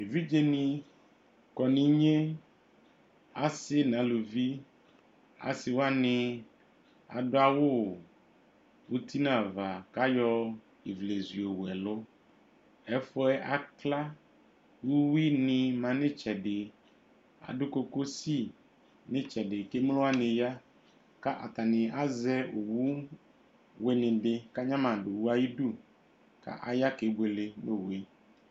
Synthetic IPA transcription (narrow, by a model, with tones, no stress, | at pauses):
e˨vi˦d͡ʒe˦nĩ˨ | kɔ˨nĩ˨˦ɲẽ˦ | a̰˨snã˨˦lu˨vi˦ | a̰˨si˨wa˦nẽ˨ | a̰˨ɖo˦a˨wo˦˨ | wo˦t̪i˦nã˦˨va˨ka˦jɔ˦ | e˨vle˨zi˨o˨wɛ˨lo˦ | ɛ˦fɔ˦ɛ˦ʔa˨kla˦ | wu˦wi˦nɪ̃˨mã˨nɪ̃˦t͡ʃɛ˨dɪ˨ | a̰˨dʊ˦ko˦ko˦si˦ | nɪ̃˦t͡ʃɛ˨dɪ˨ke˦m˦lʊ˦a˦nɪ̃˨ja˦ | ka˦ʔa̰˨t̪a˨nɪ̃˨a˦zɛ˦o˨wu˦ | we˨nɪ̃˨dɪ˨ka˦ɲã˦mã˨dʊ˨wu˦a˦ji˦du˦˨ | ka̰˦ʔa˦ja˦ke˨˦bʷe˨lɪ˦no˦˨we˦